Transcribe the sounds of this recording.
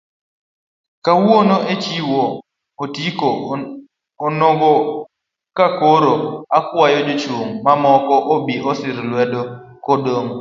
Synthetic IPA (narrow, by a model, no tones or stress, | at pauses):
kawonoet͡ʃiwo | otikoː | nɔɡɔ | kakoɾoakwajɔd͡ʒot͡ʃoŋmamɔkɔʔobiʔɔsɪɾlwɛdokɔdoŋ